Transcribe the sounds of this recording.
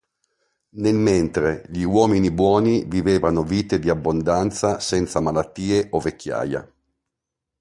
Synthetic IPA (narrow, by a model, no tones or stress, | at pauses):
nelment̪ɾeʎiwɔːminibwɔːniviveːvanoviːt̪ed̪iabːond̪ant̪sasɛnt̪samalat̪ːiːeʔovekʰːja̰ːja̰